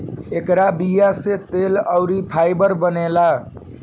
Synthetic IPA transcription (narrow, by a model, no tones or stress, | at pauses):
ekɾabijaset̪eləʊɾipʰajbəɾbənela